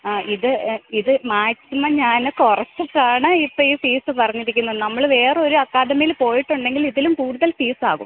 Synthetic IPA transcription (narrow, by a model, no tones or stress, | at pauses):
iðɨiðɨmaːksimɐɲaːnekurɐt͡ɕːukaːɳɨipːɐiːfiːsɨpɐrɐɲːiɾikʲːunːɐðɨnɐmːɐɭʋe̞ːroɾuɐkːaːd̪ɐmijilpo̞ːjiʈːuɳɖe̞ŋɡiliðilumpuːɽuðɐlfiːsaːɣṵm